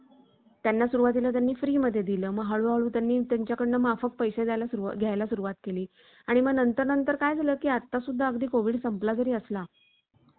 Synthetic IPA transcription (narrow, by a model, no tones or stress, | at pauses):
t̪janːasuɾuʋat̪̬ilat̪̬janːiːfɾiːməd̪ʱːjed̪iləːməɡɦaɭuɦaɭuːt̪janːiːt̪jaɲt͡ɕjakəɽnəmafək̚pəjsed̪jalasuuɡʱjajlasuɾuʋat̪keliː | aɽ̃iməɡnənt̪əɾnənt̪əɾkajd͡zʱaləːkiːat̪ːasud̪ʱːaəɡd̪iːkoʋiːɖsəmplad͡zəɾiːəsla